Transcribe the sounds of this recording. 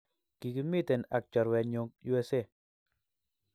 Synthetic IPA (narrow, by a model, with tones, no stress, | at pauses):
ki˨ki˦mi˦te˨na˨k̚t͡ʃɔ˨ɾwɛ˨ɲo˧˦k̚ju˦e˦se˦˨